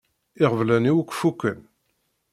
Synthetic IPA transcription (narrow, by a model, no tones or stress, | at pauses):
ɪʁəvlæniwəkʷːfukːən